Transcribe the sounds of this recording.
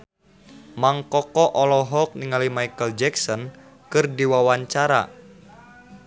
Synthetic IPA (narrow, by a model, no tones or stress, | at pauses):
maŋkɔkɔʔɔlɔɦɔk̚niŋalimajkəld͡ʒɛksɔn | kɨrdiwawaɲt͡ʃaɾa̰